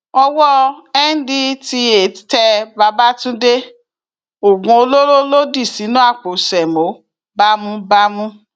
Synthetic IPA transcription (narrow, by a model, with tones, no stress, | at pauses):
ɔ˧wɔ˦ɛ˦n̩˦di˦ti˧e˨ttɛ˧ba˧ba˦tũ˦de˦ | o˨ɡũ˧o˧lo˦ɾo˦lo˦di˦˨si˨˦nũ˦a˦˨k͡po˨sɛ˨mo˨˦ | ba˦mũ˦ba˦mũ˦